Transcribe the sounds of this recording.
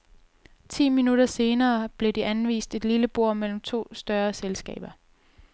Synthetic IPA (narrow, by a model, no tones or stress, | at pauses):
t͡sʰḭːminuɾ̥ɐse̝ːnɐːb̥le̝d̥iʔænʋḭːsd̥e̝d̥liləb̥o̝ɐ̰mel̰m̩t͡sʰo̝̰ːsd̥ɶːɐselsɡ̥ɛ̰ːb̥ɐ